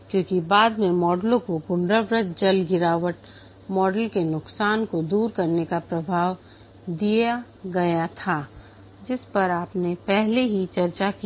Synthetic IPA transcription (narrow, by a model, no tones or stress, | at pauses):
kjõːkibaːd̪mẽmɔːɖlõkopʊ̃ɳɖɾəʋɾət̪̚d͡ʒɐlɡɪɾaːʋəʈ | mɔːɖəlkenʊksaːnkod̪uːɾkɐɾnekapɾɐbʱaːʋ | d̪ija | ɡɐjat̪ʰaː | d͡ʒɪspɐɾaːpnepɛɦleɦit͡ʃɐɾt͡ʃaki